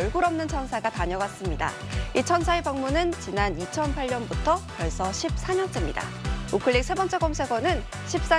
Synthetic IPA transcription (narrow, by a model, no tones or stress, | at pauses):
ʌɭɡuɾʌmnɯnt͡ɕʰʌnsʰaɡataɲʌɡwas͈ɯmɲida̰ | it͡ɕʰʌnsʰaepaŋmunɯnt͡ɕinanit͡ɕʰʌnpʰaɭɲʌnbutʰʌkjʌɭs͈ʌɕʰip̚s͈ʰaɲʌnt͡ɕ͈emɲida̰ukʰɯɭːik̚sʰebʌnt͡ɕ͈ʰeɡomsʰe̞ɡʌnɯn | ɕʰip̚s͈a